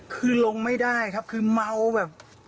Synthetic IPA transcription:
kʰɯː˧lo˧ŋma˥˩jdaː˥˩jkʰa˦˥p̚kʰɯː˧ma˧wbɛː˨˩p̚

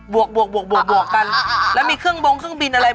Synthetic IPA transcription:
bu˨˩ək̚bu˨˩ək̚bu˨˩ək̚bu˨˩ək̚bu˨˩ək̚ka˧nlɛ˦˥˩miː˧kʰɯ˥˩əŋbo˧ŋkʰɯ˥˩ə˨ŋbi˧nʔa˧ɾa˧

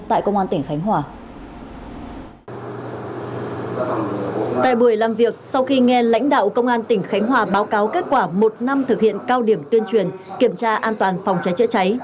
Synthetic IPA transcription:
t̪a̰ː˧˨jkə˧wŋ͡mʔaː˧nt̪ï˧˩ŋ̟xa˨˦jŋ̟ɦwaː˨˩ | t̪a̰ː˧˨jɓu˧˩əjlaː˨˩mvi˨˩ək̚sa˧wxi˧ŋɛ˧la̰˧˥jŋ̟ɗa̰ː˧˨wkə˧wŋ͡mʔaː˧nt̪ï˧˩ŋ̟xa˨˦jŋ̟ɦwaː˨˩ɓaː˨˦wkaː˨˦wke˦˥t̚kwaː˧˩mo˨˩t̚na˧mt̪ʰɨ˨k̚hḭ˧˨ənkaː˧wɗi˧˩əmt̪wi˧ənt͡ɕwi˨˩ənki˧˩əmt͡ɕaː˧ʔaː˧nt̪waː˨˩nfa˨˩wŋ͡mt͡ɕa˨˦jt͡ɕə̰˧˥t͡ɕa˨˦j

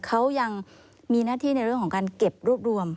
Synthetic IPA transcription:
kʰa˦˥wja˧ŋ | miː˧naː˥˩t̪ʰiː˥˩na˧jɾɯ˥˩əŋkʰɔː˩˦kaː˧nke˨˩p̚ɾu˥˩p̚ɾu˧əm

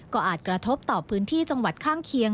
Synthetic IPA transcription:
kɔː˥˩ʔaː˨˩t̪̚kɾa˧t̪ʰo˦˥p̚t̪ɔː˨˩pʰɯː˦˥nt̪ʰiː˥˩t͡ɕa˧ŋwa˨˩t̪̚kʰaː˥˩ŋkʰi˧əŋ

